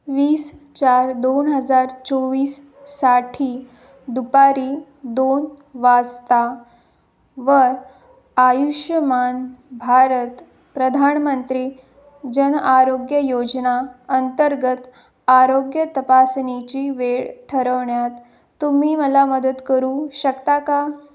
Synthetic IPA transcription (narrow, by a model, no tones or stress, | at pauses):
ʋiːst͡ɕaɾd̪onɦəd͡zaɾt͡sɔʋiːsː | aʈʰiː | d̪upaɾiː | d̪on | ʋad͡zt̪a | ʋəɾ | ajuʂjəmanbʱaɾət̪ | pɾəd̪ʱanmənt̪ɾiː | d͡ʑənaɾoɡjəjod͡ʑnaənt̪əɾɡət̪ | aɾoɡjət̪əpasnit͡ɕiːʋeɭʈʰəɾəʋɳjat̪ː | um̤iːməlaməd̪ət̪kəɾuːɕəkt̪aka